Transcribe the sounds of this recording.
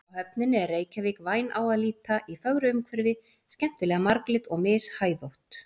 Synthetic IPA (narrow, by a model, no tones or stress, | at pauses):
awhœpnɪnɪɛrːeːjcaviːkvaːjnʔa̰ːwaðliːt̪aʔifœɣɾʏʏmkʰvɪɾvɪ | scɛm̥t̪ɪlɛːɣamaɾklɪt̪ɔɣmɪːshaːjðowht̪